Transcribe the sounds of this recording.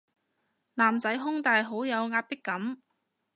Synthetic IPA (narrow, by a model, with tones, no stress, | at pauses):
laː˨˩mt͡sɐ˨˥jɦʊ˥ŋt̪aː˨jɦo˨˥wjɐ˨˧wŋaː˧t̚pɪ˥kːɐ˨˥m